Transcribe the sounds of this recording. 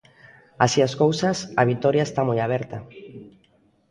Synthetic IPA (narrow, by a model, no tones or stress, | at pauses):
asiaskowsasaβ̞it̪oɾjaest̪amojaβ̞ɛɾt̪a